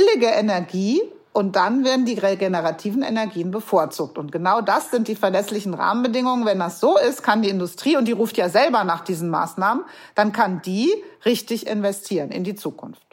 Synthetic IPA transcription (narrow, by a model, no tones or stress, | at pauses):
bɪlɪɡəʔɛnɛɐɡiː | ʔʊnt̚d̥anveːɐdn̩diːʁeɡenəʁatʰiːvn̩ʔɛ̰nɛɐɡiːənbəfoːɐt͡suːk̚tʊnt̚ɡ̥ənaʊdasz̥ɪnt̚d̥iːfɛɐlɛslɪçn̩ʁa̰ːmənbədɪŋʊŋənvɛndasz̥oːɪstkʰandiːɪndʊstʁ̥iːʊntd̥iːʁuːftjaːzɛlbɐnaːχd̥iːzn̩ma̰ːsnaːmən | d̥ankʰandiːʁɪçtɪçʔɪ̰nvɛstʰiːʁənɪ̰ndiːt͡suːkʰʊ̰nft